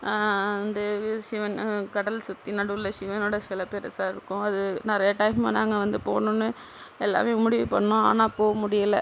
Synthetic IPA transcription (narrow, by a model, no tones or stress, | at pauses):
ɪnd̪ɐsɪʋɐnkɐɽɐlsʊt̪ːinɐɽɯlːɐsɪʋɐnoːɽɐsɪlɐpeːɾɐsaːɾɪɾɯkːʊ̃ɐðɯnɐɾɐjɐʈɐːɪma̰naːŋɡɐʋɐnd̪ɯpoːnʊ̃nːɯ | ɛlːa̰ːmeːmʊɽɪʋɯpɐɳːʊ̃a̰ːnaːpoːɣɐmʊɽɪjɐlɐ